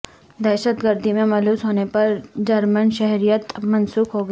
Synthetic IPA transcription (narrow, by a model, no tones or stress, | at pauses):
d̪ɛːʃət̪ɡəɾd̪ʱimẽmɐluːsɦoːnepɐɾd͡ʒɐɾmənʃɛɦɾijət̪mɐnsuːkɦoːɡa